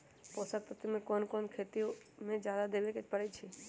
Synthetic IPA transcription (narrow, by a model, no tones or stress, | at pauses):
poːsak̚t̪ot̪əmẽkonkoːnkʰeːt̪ijomẽd͡ʒjaːd̪ad̪eːʋeket͡ʃpəɽɛt͡ʃʰe